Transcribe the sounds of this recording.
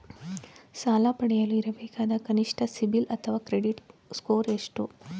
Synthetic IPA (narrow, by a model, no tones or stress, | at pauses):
saːlapɐɽɛjɐluiɾɐbeːkaːd̪ɐkɐniʂʈʰɐsibilɐt̪ʰɐʋaːkɾeɖiʈskoːɾeʂʈu